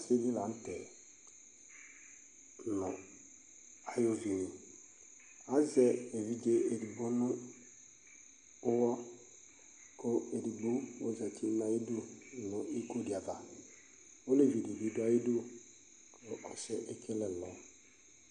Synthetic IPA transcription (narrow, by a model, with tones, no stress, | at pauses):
se˦li˦la˨n̩˦tɛ˨ | nʊ˨ | a˨jo˦vi˨nĩ˨ | a˦zɛ˨e˨vi˦d͡ʒe˦e˨di˨bo˦nʊ̃˦ | ʊ˦wɔ˦ | ko˦e˨di˨bu˦o˦zɛ˨tʰi˦na˨ji˦du˦nʊ̃˨ʔi˦ko˦di˨a˨va˨ | o˦le˦˨vi˨di˨vi˨˦du˦a˦ji˦du˦ | ko˨ʔɔ˨sɛ˦ʔe˦kʰe˦lɛ˨lɔ˨˦